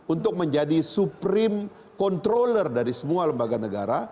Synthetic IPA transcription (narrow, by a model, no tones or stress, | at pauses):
unt̪ʊk̚məɲd͡ʒadisupɾɪm | kɔnt̪ɾolərdaɾisəmualəmbaɡanəɡaɾa